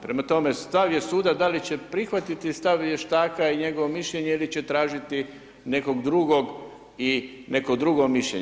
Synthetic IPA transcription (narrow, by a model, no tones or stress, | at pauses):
pɾe̞mat̪o̞me̞st̪aʋje̞suːd̪ad̪alit͡ɕe̞pɾixʋat̪it̪ist̪aʋjeʃt̪aːkaiɲe̞ɡoʋomiʃʎe̞ɲeilit͡ɕet̪ɾaːʒit̪i | ne̞ko̞ɡd̪ɾuɡo̞ɡ | ine̞kod̪ɾuɡo̞miʃʎḛ